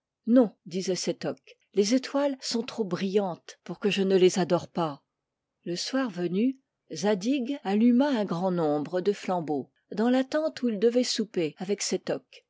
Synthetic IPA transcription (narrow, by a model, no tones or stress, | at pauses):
nɔ̃d̪izɛsɛt̪ɔk | lezet̪walsɔ̃t̪χobʁijɑ̃t̪puʁkəʒənəlezad̪ɔʁpa | ləswaʁvəny | zad̪iɡalymaɛ̃ɡʁɑ̃nɔ̃bʁəd̪əflɑ̃bo | d̪ɑ̃lat̪ɑ̃t̪uild̪əvɛsupeavɛksɛt̪ɔk